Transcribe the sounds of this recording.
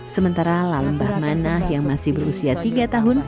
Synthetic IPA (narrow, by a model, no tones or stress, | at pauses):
səmənt̪aɾalaləmbahmanahjaŋmasɪhbəɾusiat̪iɡat̪aɦʊn